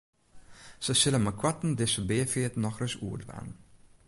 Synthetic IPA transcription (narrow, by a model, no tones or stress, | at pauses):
səsɪlənmakʰwatn̩dɪsəbeəfiətnɔxrøsṵərtba̰n